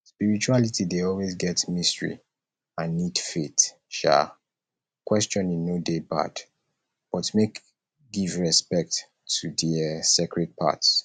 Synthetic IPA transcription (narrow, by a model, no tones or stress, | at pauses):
spiɹit͡ʃualitʰideɔlwezɡɛtmistəɹḭ | ãnːid̥fet | ʃa̰ | kwɛst͡ʃɔ̃nĩnːodepa̰d | b̥ɔtmek | ɡivɹɛspɛk̚tʰː | udɛsekɹɛd̚pʰa̰ts